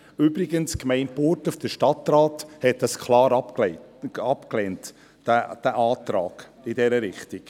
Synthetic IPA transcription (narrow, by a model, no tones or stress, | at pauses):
ybɾɪɡənskmɛɪntpoːɾtufd̥əʃtɑt̪raːthɛt̚dɑskχlɑːɾɑ | ɑpklɛnt | d̥æʔɑːtɾɑ̰ːɡ̥ | ɪdɛɾəɾɪχtiɡ